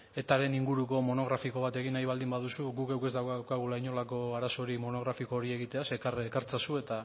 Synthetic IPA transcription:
e̞t̪aɾe̞niŋɡuɾuko̞mo̞no̞ɣ̞ɾafiko̞β̞at̪e̞ɣinajβ̞ald̪imbað̞usuɣukewke̞zd̪awkakaɣ̞ulaiɲo̞lako̞aɾaso̞ɾimo̞no̞ɣ̞ɾafiko̞ːɾie̞ɣit̪e̞asekarekaɾt͡sasue̞t̪a

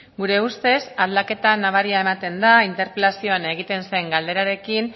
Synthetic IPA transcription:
ɡuɾe̞ust̪e̞saðlake̞t̪anaβ̞aɾiaemat̪e̞nd̪aint̪e̞ɾpelasioneɣ̞it̪e̞nse̞ŋɡald̪e̞ɾaɾe̞kin

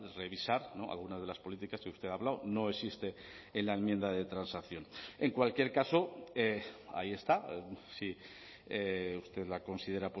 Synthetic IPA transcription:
re̞βisaɾno̞a̰lɣ̞unazð̞e̞laspo̞lit̪ikaskeust̪e̞ðaβlawno̞e̞sist̪e̞ | enlaemjend̪aðe̞t̪ɾansakθjo̞ne̞ŋkwalkje̞ɾkaso̞ea̰ie̞st̪asi | eust̪e̞ðlako̞nsið̞e̞ɾap

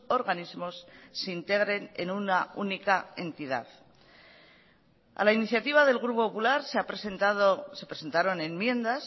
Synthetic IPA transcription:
o̞ɾɣanizmo̞sːeint̪e̞ɣɾe̞ne̞̰nunaunikae̞nt̪iða̰θ | a̰lainiθjat̪iβ̞aðe̞lɣɾupopopulaɾseapɾesent̪aðose̞pɾese̞nt̪aɾo̞ne̞mmje̞nd̪as

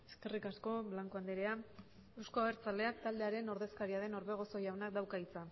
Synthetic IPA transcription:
e̞ske̞rikasko̞βlaŋkoand̪eɾea | ewsko̞aeɾt͡sald̪e̞ak̚t̪ald̪e̞aɾe̞no̞ɾðe̞skaɾiaðe̞no̞ɾβe̞ɣ̞o̞so̞jawnak̚d̪awkait͡sa

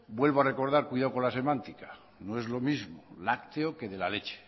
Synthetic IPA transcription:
bwe̞lβoare̞ko̞ɾð̞aɾkwiðawko̞nlase̞mãnt̪ikḁ | noe̞zlo̞mizmolakt̪eoke̞ðe̞lale̞t͡ʃe̥

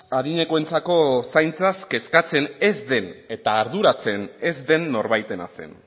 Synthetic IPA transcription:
aðiɲe̞koe̞nt͡sako̞sajnt͡saske̞skat͡se̞ne̞zd̪e̞ne̞t̪aːɾðuɾat͡se̞ne̞zd̪e̞nːo̞ɾβajt̪e̞na̰se̞̰n

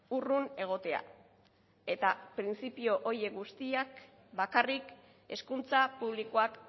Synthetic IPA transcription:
urune̞ɣ̞o̞t̪e̞a̰ | e̞t̪apɾint͡sipio̞ʔoje̞ɡust̪iak | bakarik | e̞skunt͡sapuβ̞liko̞ak

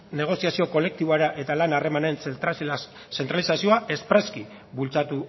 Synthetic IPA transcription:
ne̞ɣ̞o̞siasio̞ko̞le̞k̚t̪iβoaɾaʔe̞t̪alanare̞mane̞n | se̞nt̪ɾalisasio̞aʔe̞spɾeski | βult͡sat̪u

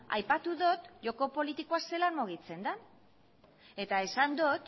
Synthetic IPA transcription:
a̰jpat̪uðo̞t̪ʝo̞ko̞po̞lit̪ikoase̞lanmuɣ̞it͡se̞nd̪a | e̞t̪ae̞sand̪ot̪

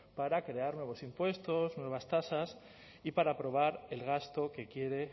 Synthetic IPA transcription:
paɾakɾe̞aɾnwe̞β̞o̞simpwe̞st̪o̞znwe̞β̞ast̪asas | ipaɾapɾo̞β̞aɾe̞lɣast̪o̞ke̞kje̞ɾe̞

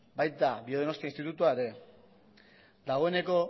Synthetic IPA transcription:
bajt̪abio̞ð̞ono̞st̪iainst̪it̪ut̪uaeɾe̞ | d̪aɣ̞o̞ene̞ko̞

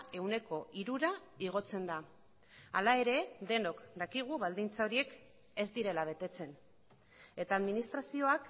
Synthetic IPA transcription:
ʔe̞wne̞ko̞ʔiɾuɾa | iɣ̞o̞t͡se̞nd̪a | alae̞ɾe̞d̪e̞no̞kd̪akiɣ̞uβald̪int͡sao̞ɾie̞k | e̞zd̪iɾe̞laβ̞e̞t̪e̞t͡se̞n | e̞t̪aːðminist̪ɾasio̞ak

